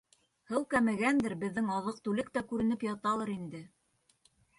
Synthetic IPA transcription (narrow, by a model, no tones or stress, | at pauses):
hɤwkæmɘ̆ɡænd̪ɘɾbɘ̆ðːɘŋɑðɤq̚t̪ʉlɘk̚t̪ækʉɾɘ̆nɘpjɑt̪ɑlˠɤɾind̪ɘ